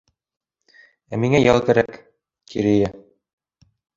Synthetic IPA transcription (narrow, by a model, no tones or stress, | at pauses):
æmiŋæjɑlˠkæɾæk | kiɾɘ̆jæ